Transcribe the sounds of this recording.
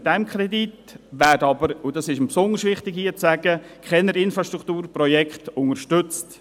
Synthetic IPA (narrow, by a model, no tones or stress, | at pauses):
d̥ɛmkχɾɛdit | ʋæːdɑbəɾʊdɑsɪʃəm̩psʊndəɾsʋɪχtɪɡhiːət͡sæɡ̥ə | kχɛnəɾɪnfɾɑʃt̪ɾukt̪uːɾprɔjɛkχtʊŋəɾʃtʏt͡st